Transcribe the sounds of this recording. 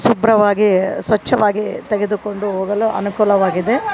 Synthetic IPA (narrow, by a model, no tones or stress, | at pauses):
subɾɐʋaːɡisʋɐt͡ʃːɐʋaːɡit̪eɡe̞d̪uko̞ɳɖuɦoːɡɐluʔɐ̰nukuːlɐʋaːɡid̪e̞